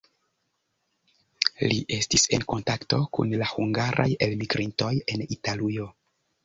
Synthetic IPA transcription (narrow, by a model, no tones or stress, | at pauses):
liʔe̞stise̞̰nko̞ntakto̞kṵnlahuŋɡaɾʔa̰je̞lmiɡɾinto̞je̞nitalujo